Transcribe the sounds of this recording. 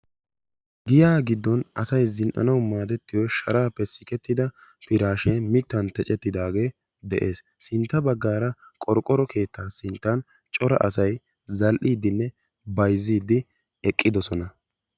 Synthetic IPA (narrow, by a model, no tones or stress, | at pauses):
ɡɪjaːɡɪd̪ːɔnɐsɐjzɪnʔɐ̰nɐwmaːd̪ɛt̪ːɪjɔʃɐɾaːpːɛsɪkɛt̪ːɪd̪ɐ | pɪɾaːʃemɪt̪ːɐnt̪ɛt͡ʃʼɛt̪ːɪd̪aːɡe̞ː | d̪ɛʔe̞ːs | sɪnt̪ːɐbɐɡːaːɾɐkʼɔɾkʼːɔɾɔkʰe̞ːt̪ːaːsɪnt̪ːɐn | t͡ʃʼɔɾɐ̰ʔɐsɐj | zɐlʔiːd̪ːɪnːɛ | bɐjziːd̪ɪ | ɛkʼːɪd̪ɔsɔnɐ